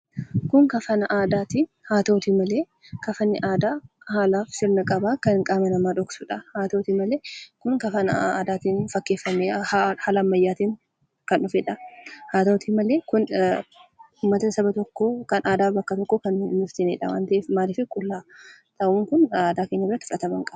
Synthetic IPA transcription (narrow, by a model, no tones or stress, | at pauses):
kʊŋkɐfɐnɐʔaːd̪aːt̪ihaːt̪oːt̪imɐle̞ː | kɐfɐnːɪʔaːd̪aː | haːlaːfsɪɾnɐkʼɐbaːkɐnŋkʼaːmɛnɐmaːᶑɔksʊᶑɐhaːt̪oːt̪imɐleːkʊŋkɐfɐnɐ̰aːd̪aːt̪iːnfɐkːe̞ːfːɐmːeahaːlɐmːɐjːaːt̪iːŋ | kɐnʊfɛᶑɐhaːt̪oːt̪imɐleːkʊn | ʊːmːɐt̪ɐsɐbɐt̪ɔkːoːkɐnaːd̪aːfbɐkːɐt̪ɔkːoːkɐnnʊft̪ɪneːᶑɐ̰wa̰ːnt̪ɐʔeːfmaːlɪfɪkʼʊlːaːt̪ʰɐʔuːŋkʊnaːd̪aːkeːɲːɐrːɐt̪ːɪ̥fʊᶑɐt̪ɐmɐŋkʼɐbɐ̥